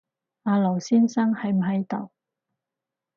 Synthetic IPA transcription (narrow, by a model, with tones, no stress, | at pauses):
aː˨˧lɔ˨˩wsiː˥nsɐ˥ŋhɐ˨˥jm̩˨˩ɦɐ˨˥jt̪ɐ˨˩w